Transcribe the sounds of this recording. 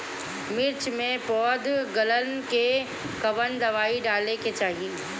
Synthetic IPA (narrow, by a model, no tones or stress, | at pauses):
mɪɾt͡ʃmẽpɔːd̪ɡɐlənke | kɐbənɖ̪ɐʋaːiɖaːleket͡ʃaːɦie